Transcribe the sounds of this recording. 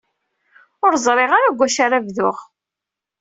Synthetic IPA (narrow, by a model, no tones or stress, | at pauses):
ʊɾzˤɾˤeʁaɾaɡʷːæʃaɾavðʊʁ